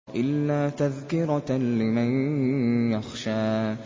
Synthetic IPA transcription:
ʔɪlːaːt̪aðkɪɾˤɑlɪman | jaxʃaː

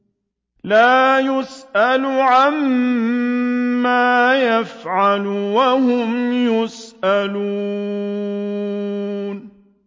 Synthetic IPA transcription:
laːjʊsʔalʊʕam | aːjafʕalʊwaɦʊmjʊsʔaluː | n

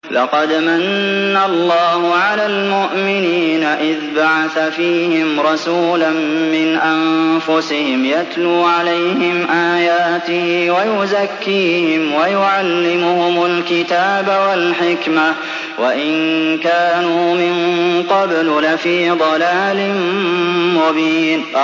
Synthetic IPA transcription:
lɑqɑd̪manːalˤːɑːhʊʕalaːlmʊʔmɪniːnaʔɪðbaʕaθafiːhɪmɾˤɑsuːlanːɪnʔamfʊsɪhɪmjat̪luːʕalajhɪmʔaːjaːt̪ɪhiwajʊzakːiːhɪmwajʊʕalːɪmʊhʊmʊlkɪt̪aːbawalħɪkma | waʔɪnkaːnuːmɪnqɑbllafiːd̪ˤɑlaːlɪnmʊbiːn

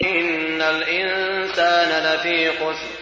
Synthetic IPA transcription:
ʔɪnːalʔɪnsaːnalat̪iːqʊs

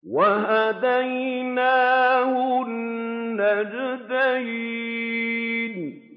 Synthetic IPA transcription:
wahad̪ajnaːhʊnːad͡ʒd̪aji | n

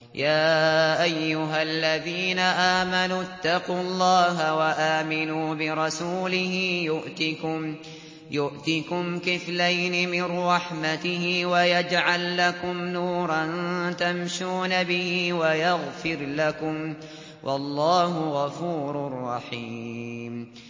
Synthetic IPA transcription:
jaːʔajːʊɦalːaðiːnaʔaːmanuːt̪ːɑquːlˤːɑːɦawaʔaːmɪnuːbɪɾˤɑsuːlɪɦɪjʊʔt̪ | jʊʔt̪ɪkʊmkɪflajnɪmɪnɾˤɑħmat̪ɪhɪwajad͡ʒʕalːakʊmnuːɾˤɑnt̪amʃuːnabɪhiːwajaɣfɪɾlakʊm | wʔɑlˤːɑːɦʊɣɑfuːɾˤʊrˤːɑħiːm

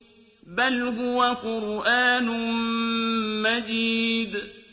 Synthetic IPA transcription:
balɦʊwaqʊɾʔaːnʊ | mad͡ʒiːd̪

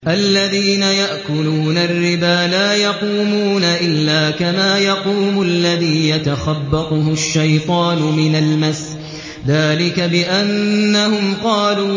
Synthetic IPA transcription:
ʔalːaðiːnajaʔkʊluːnarːɪbaːlaːjɑquːmuːnaʔɪlːaːkamaːjɑquːmʊlːaðiːjat̪axabːɑt̪ˤʊɦʊʃːajt̪ˤɑːnʊmɪnalmas | ðaːlɪkabɪʔanːahʊmqɑːluː

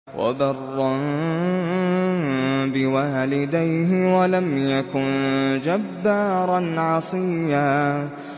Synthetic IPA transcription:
wa̰bɑrˤːɑn | bɪwaːlɪd̪ajɦɪwalamjakʊnd͡ʒabːaːɾˤɑnʕɑsˤiːjaː

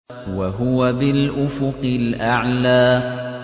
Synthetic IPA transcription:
waɦʊwabɪlʔʊfʊqɪlʔaʕlaː

